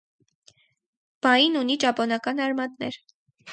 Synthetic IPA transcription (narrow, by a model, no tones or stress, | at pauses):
b̥ɑjinunit͡ʃɑpɔnɑkɑnɑɾmɑt̪nɛɾ